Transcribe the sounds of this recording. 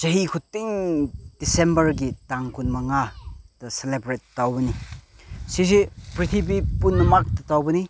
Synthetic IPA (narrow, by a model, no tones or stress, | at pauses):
d͡ʒɐɦikʰutːiŋd̥isembɐɾɡitaŋkʰunmɐŋad̥ɐselebɾetːawbɐni | sizipɾit̪ʰibipunːɐmak̚tɐtawbɐni